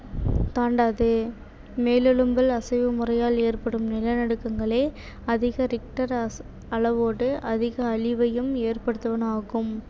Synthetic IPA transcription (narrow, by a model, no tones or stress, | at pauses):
t̪aːɳɖaːðɯ | meːlɪɭɯmbɐlɐsɐʋɯmʊrɐjaːleːrpɐɽɯmnɪlɐnɐɽɯkːɐŋɡɐɭeː | ɐðɪɣɐɾɪk̚ʈɐɾ | ɐɭɐʋoːɽɯʔɐðɪɣɐːɭɪʋɐjɯmeːrpɐɽɯt̪ːɐʋɐnaːɣɯm